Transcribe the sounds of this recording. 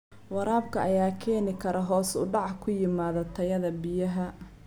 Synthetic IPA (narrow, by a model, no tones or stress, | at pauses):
wɑɾaːb̚kʰɐʔɐjaːkʰɛːnɪkʰɐɾɐɦɔːsʊ̰ɖɑʕkʰʊjɪmaːðɐt̪ʰɐjɐðɐbɪjɐɦɐ